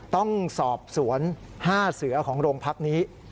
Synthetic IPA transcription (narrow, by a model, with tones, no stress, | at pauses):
t̪ɔ˥˩ŋsɔː˨˩p̚su˩˦ən | haː˥˩sɯ˩˦ɐkʰɔː˩˦ŋɾoː˧ŋpʰa˦˥k̚niː˦˥